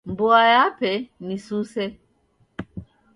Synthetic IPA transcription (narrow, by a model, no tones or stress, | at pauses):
mboajapɛnisusɛ